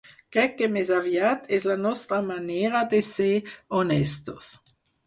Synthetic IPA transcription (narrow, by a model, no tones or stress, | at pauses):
kʁɛkːemezavjat̪ʰɛslanɔst̪ʁamaneːʁad̪eseonɛst̪os